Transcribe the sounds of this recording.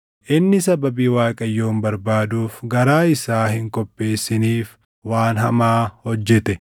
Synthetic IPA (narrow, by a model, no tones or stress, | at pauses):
ʔɪnːɪsɐbɐbiːwaːkʼɐjːo̞ːmbɐɾbaːd̪uːfɡɐɾaːɪsaːhɪŋkʼɔpʼːe̞ːsːɪniːf | waːnɦɐmaːhɔd͡ʒːɛt̪ɛ